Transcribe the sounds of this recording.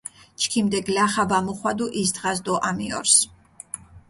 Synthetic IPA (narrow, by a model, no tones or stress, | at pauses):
t͡ʃʰkʰimd̪ɛɡlaχavamɔχwad̪uʔisd̪ʁazd̪ɔʔamiɔ̰ɾs